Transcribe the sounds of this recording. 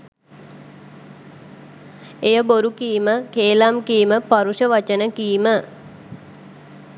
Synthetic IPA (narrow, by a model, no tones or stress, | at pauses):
ejəboɾukiːməkeːlamkiiməpaɾuʃəʋat͡ʃənəkijːmə